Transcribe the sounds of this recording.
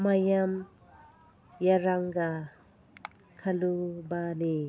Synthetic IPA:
majam | jaɾaŋɡa | kʰɐlubani

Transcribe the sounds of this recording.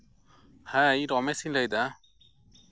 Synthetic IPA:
haiɾɔmɛsinləjd̪a

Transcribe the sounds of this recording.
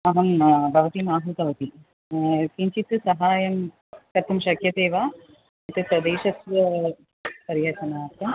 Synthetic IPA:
ɐɦɐnbʱɐʋɐt̪imaːɦut̪ɐʋɐt̪i | kiɲt͡ʃit̪ːɨsɐɦaːjɐm | kɐt̪ːumʃɐkjɐt̪eːʋaː | ɐt̪ːɨsɐd̪eːʃɐsʋɐ | pɐɾɪjɐtɐnaːt̪ːɐm

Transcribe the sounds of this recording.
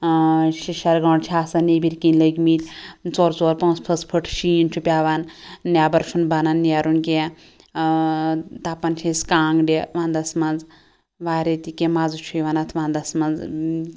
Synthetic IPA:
ʃiʃɐɾɡɐːɳt͡ʃʰaːsɐnebiɾkinləɡʲmilʲt͡soːɾt͡soːɾpõːt͡spʰɐspʰəʈʰʃiːint͡ʃʰupʲaːʋanːʲjaːbɐɾt͡ʃʰunbananːjaːɾunkʲẽ | t̪aːpɐnt͡ʃʰeskaːŋɡɖʲeʋãːnd̪ɐsmɐnd͡z | ʋaːɾet̪ikʲemaːd͡zut͡ʃʰujʋanat̪ʰʋãːnd̪ɐsmɐnd͡z

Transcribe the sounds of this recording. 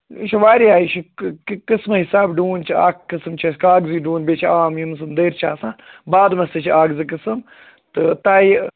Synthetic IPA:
ʃiʋaːɾiaːjt͡ʃʰikkɨsmɐɦisaːbɖuːnt͡ʃʰia̰ːkːɨsɨmt͡ʃʰɐskaːɡziɖuːnbʲeːt͡ʃʰiaːmjimsɨmd̪ɐːɾt͡ʃʰaːsãːnbaːd̪mɐst̪ɐt͡ʃʰiaːɡzik̬ɨsɨm | t̪ɨt̪aːji

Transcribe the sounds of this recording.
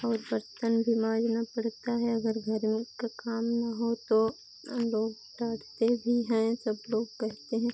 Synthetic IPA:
ɔːɾbɐɾt̪ənbʱimãːd͡ʒnapɐɽ̤t̪aɦɛɐɡəɾɡʱɐɾmekakaːmnɐɦot̪o | loːɡ | ɾaːʈʰt̪ebʱiɦɛ̃sɐbloːɡkɛɦt̪eɦɛ̃ː

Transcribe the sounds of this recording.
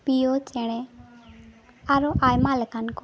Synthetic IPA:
pijot͡ʃɛɽ̃ɛ | aɾoʔajmaləkank

